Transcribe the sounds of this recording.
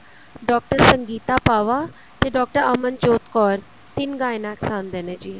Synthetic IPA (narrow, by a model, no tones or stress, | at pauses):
ɖɔːk̚ʈəɾsəŋɡiːt̪apaːʋa | t̪eɖɔːk̚ʈəɾɐmənt͡ʃoːt̪kɔːɾ | t̪inɡaːjnaksãːnd̪ened͡ʑiː